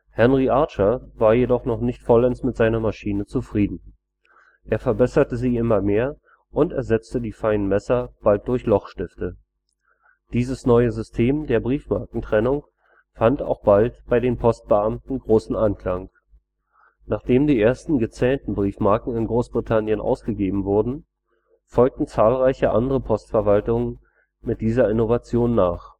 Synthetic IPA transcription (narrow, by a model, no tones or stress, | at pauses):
hɛnʁiʔaɐt͡ʃɐvaːɐjedɔχnɔχnɪçtfɔlɛnsmɪtz̥aɪnɐmaʃiːnət͡sufʁ̥iːdn̩ | ʔeːɐfɛɐbɛsɐtəziːɪmɐmeːɐ | ʔʊntɛɐzɛt͡stədiːfaɪnənmɛsɐb̥alt̚d̥ʊɐçlɔχʃtɪftə | d̥iːzəsnɔʏəzʏstʰeːmdeːɐbʁiːfmaɐkŋ̩tʁ̥ɛnʊŋ | fanta̰ʊxb̥altb̥aɪdeːnpʰɔst̚b̥əʔamtn̩ɡʁoːsn̩ʔankl̥aŋ | naːχd̥eːmdiːʔeːɐstn̩ɡət͡sɛːntn̩bʁiːfmaɐkŋ̩ɪnɡʁoːsb̥ʁitʰanjənʔa̰ʊsɡ̥əɡeːbm̩vʊɐdn̩ | fɔlk̚tn̩t͡saːlʁaɪçəʔa̰ndəʁəpʰɔstfɛɐvaltʊŋən | mɪt̚d̥iːzɐɪnovat͡sjoːnːaːχ